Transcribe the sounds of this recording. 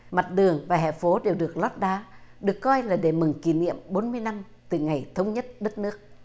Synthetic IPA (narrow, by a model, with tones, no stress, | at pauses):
ma˨˩t̚ɗɨ˨˩əŋvaː˨˩ɦɛ̰˧˨fo˨˦ɗe˨˩wɗɨ˨˩ək̚lɔ˦˥t̚ɗaː˨˦ɗɨ˨˩əkːɔ˧jlaː˨˩ɗe˧˩mɨ˨˩ŋki˧˩nḭ˧˨əmɓo˨˦nmɨ˧əjna˧m | t̪ɨ˨˩ŋa˨˩jt̪ʰə˨˦wŋ͡mɲə˦˥t̚ɗə˦˥t̚nɨ˦˥ək̚